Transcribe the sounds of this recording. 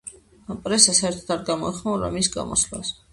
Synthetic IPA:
apʼɾɛsasɛɾt̪ʰd̪aɾɡamɔiχnaɾa̰misɡa̰mɔ̰sla̰s

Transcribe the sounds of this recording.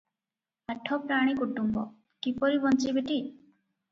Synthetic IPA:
aʈʰɔpɾaɽ̃ikuʈːumbɔ̰ | kipɔɾibɔnt͡ʃibeʈi

